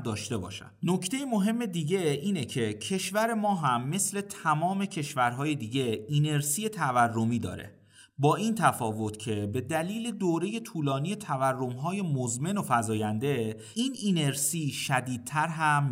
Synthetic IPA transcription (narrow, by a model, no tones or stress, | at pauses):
d̪ɒːʃt̪e̞bɒ̰ːʃæ̰̥no̞cʰt̪ʰe̞jemoɦe̞mːe̞d̪iːɟe̞iːnecʰe̞cʰe̞ʃvæɾe̞mɒːɦæmːe̞sle̞t̪ʰæmɒːme̞cʰe̞ʃvæɾɦɒːje̞d̪iːɟe̞ine̞ɾsiːjet̪ʰæværːo̞miːd̪ɒ̰ːɾḛ | bɒːʔint̪ʰæfɒːvo̞t̪cʰe̞be̞d̪æliːle̞d̪oːɾe̞je̞t̪ʰuːlɒːniːje̞t̪ʰæværːo̞mɦɒːje̞mozme̞nofæzɒːjænd̪e̞ | iːnineɾsiːʃæd̪iːd̪̚t̪ʰæɾɦæm